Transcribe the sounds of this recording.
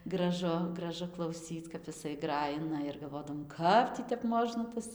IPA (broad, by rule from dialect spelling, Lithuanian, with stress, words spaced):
ɡrɐˈʒʊ ɡrɐˈʒʊ klˠɐʊˈsʲiːt͡s kɐp jɪˈsɐɪ ˈɡrɑːjɪnɐ ɪr ɡɐlˠˈʋoːdɐʋoːm ˈkɐp tʲiː tʲɛp ˈmoːʒnɐ ˈtɐs